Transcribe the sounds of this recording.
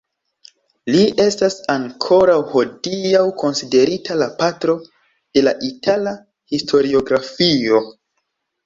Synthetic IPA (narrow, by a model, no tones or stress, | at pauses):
liʔe̞stasaŋkʰo̞ɾawho̞diawko̞nside̞ɾitalapatɾo̞ | d̥e̞laʔitʰala | histʰo̞ɾio̞ɡɾafio̞